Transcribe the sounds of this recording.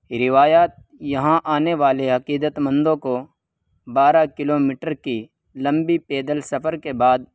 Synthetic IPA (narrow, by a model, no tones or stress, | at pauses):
ɾɪʋaːjaːt̪̚ | jɐɦãʔaːneʋaːleɦɐqiːd̪ət̪mə̃nd̪õko | baːɾakɪloːmɪːʈəɾki | lɐ̃mbipeːd̪əlsɐfəɾkebaːd̪̚